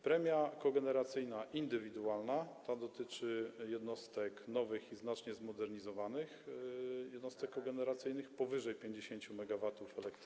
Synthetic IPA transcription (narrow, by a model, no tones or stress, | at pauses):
pɾɛmʲjakɔɡɛnɛɾat̪sɘjnaʔind̪ɘvʲid̪uwalnat̪ad̪ɔt̪ɘt͡ʂɘjɛd̪nɔst̪ɛknɔvɘxiznat͡ʂɲɛzmɔd̪ɛɾɲizɔvanɘx | jɛd̪nɔst̪ɛkːɔɡɛnɛɾat̪sɘjn̪ɘxpɔvɘʐɛjpʲjeɲd͡ʑeɕeɲt͡ɕumɛɡavat̪ufɛlɛkt̪